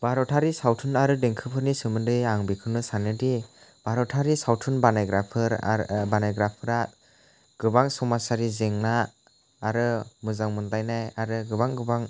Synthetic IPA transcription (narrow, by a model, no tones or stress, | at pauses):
baɾɔtʰaɾisawtʰɯnaɾɯdeŋkʰɯpʰɯɾnisɯmɯndɯjaŋbikʰɯnɯsanɯdib̥aɾɔtʰaɾisawtʰɯnbanajɡɾapʰɯɾ̰banajɡɾapʰɯɾat̚ | ɡ̥ɯbaŋsɔmasaɾizeŋnaː | ɾɯmɯzaŋmɯndajnajaɾɯɡɯbaŋɡɯbaŋ